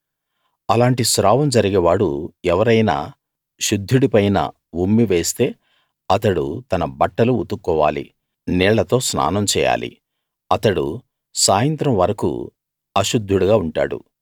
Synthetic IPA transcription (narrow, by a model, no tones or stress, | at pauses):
ɐlaːɳʈisɾaːʋɐmd͡ʒɐɾiɡeːʋaːɽuɛʋɐɾɐjna̰ː | ʃud̪ʱːuɽipɐjnɐ̰ | bumːiʋe̞ːst̪e̞ː | ɐt̪ɐɽṵt̪ɐnɐbɐʈːɐluṵt̪ukːɔːʋa̰ːlḭ | nɛːɭɐt̪o̞ːsna̰ːnɐmt͡ʃɛːja̰ːlḭ | ɐt̪ɐɽṵ | saːjɐnt̪ɾɐmʋɐɾɐkṵ | ɐʃud̪ʱːuɽuɡaːuɳʈa̰ːɽṵ